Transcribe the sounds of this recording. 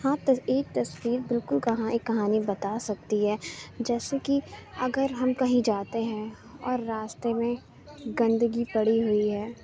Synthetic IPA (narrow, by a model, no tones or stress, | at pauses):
ɦãt̪eːk̚t̪ɐswiːɾbɪlkʊlkɐɦãʔekːɐɦaːnibɐt̪aːsɐk̚t̪iɦɛːd͡ʒɛːsekiɐɡəɾɦɐmkɐɦĩd͡ʒaːt̪eɦɛ̃ | ɔːɾːaːst̪emẽ | ɡɐ̃nd̪əɡipɐɽiɦʊiɦɛː